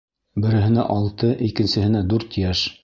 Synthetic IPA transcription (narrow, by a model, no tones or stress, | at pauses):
bɘ̆ɾɘ̆ɦɘ̆næ̰ʔɑlˠt̪ɤʔikɘ̆nsɘ̆hɘ̆næd̪ʉɾt̪jæʃ